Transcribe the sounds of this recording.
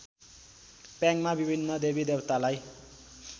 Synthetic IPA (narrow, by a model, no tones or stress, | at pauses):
pjãŋmabibʱinːʌd̪ebid̪ewt̪alaj